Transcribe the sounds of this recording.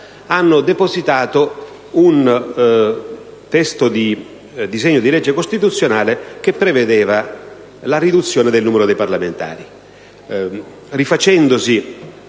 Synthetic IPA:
anːʊd̪epozit̪aːt̪o | un | t̪ɛst̪ʊd̪i | d̪izɛɲːʊd̪ilɛd͡ʒːekost̪it̪̬ut̪sːjonaːlek̟epːɾeved̪ɛːva | larid̪ut̪sːjoːned̪elnuːmeɾʊd̪ɛjparlament̪a̰ːɾi | rifat͡ʃɛnd̪ʊsi

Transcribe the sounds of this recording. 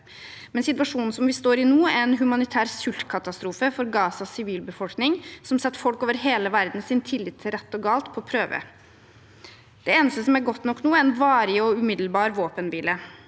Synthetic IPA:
mɛnsɪt̪ʋɑʂuːnn̩sɔmʋɪst̪oːɾɪnuːæɾɛnɦʉmɑnɪt̪ʰæːɾsʉlt̪kʰɑt̪ɑst̪ɾuːfəfɔɾɡɑːsɑsɪʋiːlbəfɔlknɪŋsɔmsɛt̪ːfɔlkoːʋəɾɦeːləʋæɾd̪n̩sɪnt̪ʰɪlːɪt̪ʰːɪlɾɛt̪ːɔɡɑːlt̪pʰɔpʰɾøːʋə̰ | d̪̥ɛeːnəst̪əsɔmæɾɡɔt̪nɔkːnuːɛɛnʋɑːɾɪɔʉmɪd̪l̩bɑːɾʋoːpənʋiːlə

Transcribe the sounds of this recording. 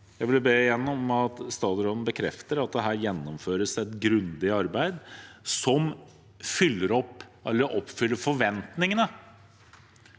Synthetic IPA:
jæɪʋɪlbeːjɛnːɔmɑt̪st̪ɑːɾɔd̪n̩bəkʰɾɛft̪əɾɑt̪̚d̪ɛɦæːɾjɛnːɔmføːɾəsɛt̪ɡɾʉnd̪ɪɑɾbæɪd̪sɔm | fʏlːəɾɔpːɛlːəɾʔɔpːfʏlːəɾfɔʋɛnt̪nɪŋənə

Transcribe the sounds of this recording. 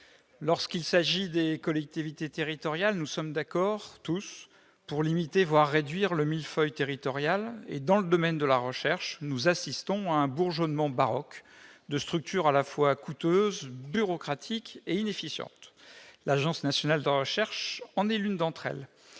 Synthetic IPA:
lɔʁskilsaʒid̪ekɔlɛk̚t̪ivit̪et̪eʁit̪ɔʁjalnusɔmd̪akɔʁt̪us | puʁlimit̪evwaʁːed̪ɥiʁləmilfœjt̪eʁit̪ɔʁjalḛd̪ɑ̃ləd̪ɔmɛnd̪əlaʁəʃɛʁʃnuzasist̪ɔ̃aɛ̃buʁʒɔnmɑ̃baʁɔkd̪əst̪χyk̚t̪yʁalafwakut̪øzbyʁɔkχat̪ʰikeinefisjɑ̰̃t̪laʒɑ̃snasjɔnald̪əʁəʃɛʁʃɑ̃nɛlynd̪ɑ̃t̪χɛ̰l

